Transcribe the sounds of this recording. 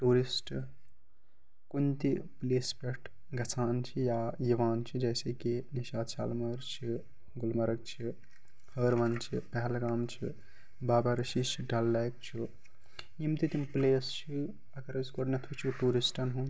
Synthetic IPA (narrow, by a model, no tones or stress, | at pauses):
ʈuɾisʈ | kunt̪ipleːspeʈʰ | ɡʱɐsʰaːnt͡ʃʰijajiʋaːnt͡ʃʰid͡ʒɛːsekiniʃaːd̪ʃa̰ːlmɐɾt͡ʃʰi | ɡulmɐɾək̚t͡ʃʰi | həɾʋɐnt͡ʃʰipɛɦɛlɾaːmt͡ʃʰḭ | baːbaɾʃiʃʰiɖʱɐlːajk̚t͡ʃʰi | jimt̪it̪impleːst͡ʃʰi | ɐkɐɾɐskoɾnet̪ʰut͡ʃʰiʈuɾisʈɐnɦu